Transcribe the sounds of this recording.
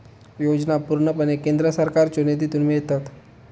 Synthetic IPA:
jod͡ʑnapuɾɳəpənekend̪ɾəsəɾkaɾt͡ɕoned̪̬it̪unmijet̪at̪

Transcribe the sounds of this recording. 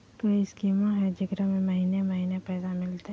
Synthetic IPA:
koːiɪskimãɦɛd͡ʒɪɡɾamẽmɐɦiːnemɐɦiːnepɛːd̪amɪlt̪e

